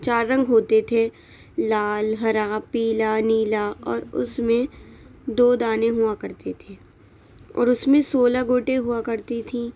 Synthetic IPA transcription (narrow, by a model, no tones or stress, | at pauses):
t͡ʃaːɾːɐ̃ŋɡɦoːt̪et̪ʰe | laːlɦɐɾapiːlaniːlaʔɔːɾʊ̰smẽd̪oːd̪aːnẽɦʊakɐɾt̪et̪ʰeː | ɔ̰ːɾʊsmẽsoːlaɡʱoːʈeɦuakɐɾt̪it̪ʰĩː